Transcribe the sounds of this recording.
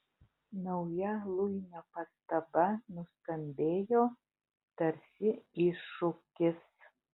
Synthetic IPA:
nɒʊjɛlˠʊjnʲɛpɐst̪ɐbɐnʊst̪ɐmʲbʲeːjoː | t̪ɐɾʲsʲɪiʃʊkʲɪs

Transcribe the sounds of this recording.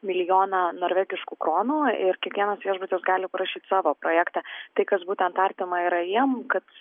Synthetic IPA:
mʲɪlʲɪjoːnɑnoːɾʲʋʲæːɡʲɪʃkuːkɾoːnuːɪɾkʲiɛkʋʲiɛnɐsʋʲiɛʒbʊt̪ʲɪsɡɑːlʲɪpɐɾɐʃʲiːt̪ʲsɑːʋoːpɾoːjæːkt̪ɑt̪ɐɪkɐsbuːt̪ʲɛnt̪ɐɾʲt̪ʲɪmɐiːɾɐjiɛmkɐt̪

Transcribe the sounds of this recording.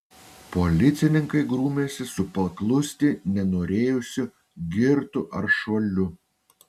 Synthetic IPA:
polʲɪt̪sʲɪnʲɪŋkɐɪɡɾuːmʲeːsʲɪsʊpɐklˠʊsʲt̪ʲɪnʲɛnoːɾʲeːjʊsʲʊ | ɡʲɪɾt̪ʊʔɐɾʃoːlʲʊ

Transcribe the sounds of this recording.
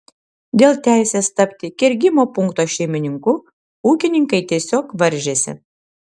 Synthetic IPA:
d̪ʲeːlˠt̪ʲæˑɪsʲeːst̪ɐpʲt̪ʲɪkʲɛɾʲɡʲɪmoːpʊŋkt̪oːʃʲɛɪmʲɪnʲɪŋkʊ | uːkʲɪnʲɪŋkɐɪt̪ʲiɛsʲoːkʋɐɾʲʒʲeːsʲɪ̰

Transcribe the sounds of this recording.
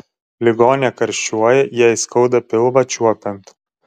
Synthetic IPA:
lʲɪɡoːnʲɛkɐɾʲʃʲt͡ʃʲuɔjɛjɛɪskɐʊd̪ɐpʲɪlˠʋɐt͡ʃʲuɔpʲɛnt̪

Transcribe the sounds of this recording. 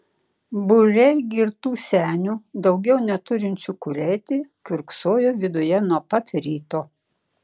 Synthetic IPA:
bʊɾʲɛɪɡʲɪɾt̪uːsʲæːnʲuːd̪ɒʊɡʲɛʊnʲɛt̪ʊɾʲɪnʲt͡ʃʲukʊɾʲɛɪt̪ʲɪkʲʊɾksoːjoːʋʲɪd̪ʊjɛnuɔpɐt̪ɾʲiːt̪oː

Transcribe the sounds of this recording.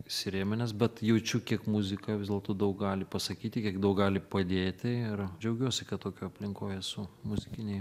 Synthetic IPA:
sʲɪɾʲeːmʲɪnʲɛs̬bʲɛt̪jɛʊt͡ʃʲʊkʲiɛkmʊzʲɪkɐʋʲɪzd̪ʲɛlˠt̪oːd̪ɐʊk̚ɡɑːlʲɪpɐsɐkʲiːt̪ʲɪkʲiɛkd̪ɐʊk̚ɡɑːlʲɪpɐd̪ʲeːt̪ʲɪɪrd͡ʒʲɛʊɡʲuɔsʲɪkɐt̪t̪oːkʲoːɐpʲlʲɪŋkoːjɛsʊmʊzʲɪkʲɪnʲɛɪ

